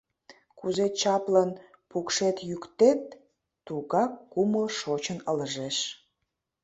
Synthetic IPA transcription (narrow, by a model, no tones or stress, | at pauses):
kuzet͡ɕɑplɑn | pukʃet̪jykt̪et̪̚ː | uɣɑkːuməlʃot͡ɕənələʒeʃ